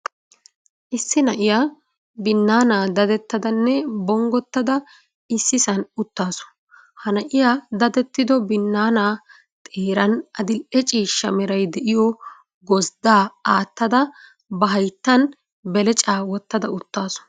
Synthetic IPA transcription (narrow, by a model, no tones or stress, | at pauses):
ʔɪsːɪnɐʔɪjaː | bɪnːaːnaːd̪ɐd̪ɛt̪ːɐd̪ɐnːɛbɔŋɡɔt̪ːɐd̪ɐ | ɪsːɪsɐnʊt̪ːaːsɔ̥ | hɐnɐʔɪjaːd̪ɐd̪ɛt̪ːɪd̪ɔbɪnːaːnaː | t̪ʼeːɾɐnɐd̪ɪlʔɛt͡ʃʼiːʃɐmɛɾɐjd̪ɛʔɪjɔ | ɡɔzd̪aːaːt̪ːɐd̪ɐ | bɐɦɐjt̪ːɐn | bɛlɛt͡ʃʼaːwɔt̪ːɐd̪ɐʊt̪ːaːsɔ̥